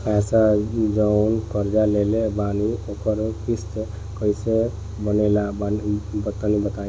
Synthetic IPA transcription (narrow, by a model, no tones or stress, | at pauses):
pɛsad͡ʒəʊnkəɾd͡ʒalelebanioːkəɾkist̪ | kəise | bənelabbət̪ːənibət̪aĩ